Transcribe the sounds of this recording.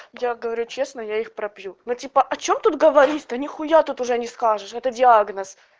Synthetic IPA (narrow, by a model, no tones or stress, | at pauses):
jaɡəvɐɾʲut͡ɕe̞snəjaixpɾɐpjunotʲipəʔɐt͡ɕo̞mt̪ut̪̚ɡəvɐɾʲitʲt̪ənʲɪxʊjat̪ut̪ʊʐɛnʲɪskaʐɨʂɛt̪ədʲɪaɡnəs